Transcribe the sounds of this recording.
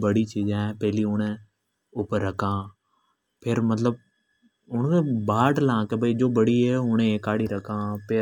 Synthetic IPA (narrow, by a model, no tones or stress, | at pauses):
bəɽit͡ʃiːd͡ʒɛ̃ːpɛɦliʊɽ̃ẽ | ʊpəɾːəkʰãː | pʰɪɾmət̪ləb̚ | ʊɳ̃kẽːbaːʈlãːkebʱəid͡ʒoːbəɽieːʊɽ̃ẽkaːɽiːɾəkʰãːpʰɪ